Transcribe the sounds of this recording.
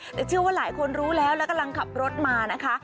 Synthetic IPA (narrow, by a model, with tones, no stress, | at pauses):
t̪ɛː˨˩t͡ɕʰɯ˥˩waː˥˩laː˩˦jkʰo˧nɾuː˦˥lɛː˦˥wlɛ˦˥wka˧mla˧ŋkʰa˨˩p̚ɾo˦˥t̪̚maː˧na˦˥kʰa˦˥